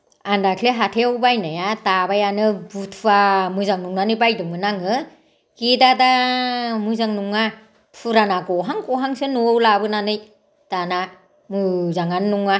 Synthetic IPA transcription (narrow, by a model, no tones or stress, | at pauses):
andakʰleɦatʰeawbajnajatabajanɯbutʰamɯzaŋnuŋnanɯjbajdɯmɯnaŋɯ | kedadamɯzaŋnuŋa | pʰuɾanaɡɔɦaŋkɔɦaŋsɯnuowlabɯnanɯj | tana | mɯzaŋanːuŋa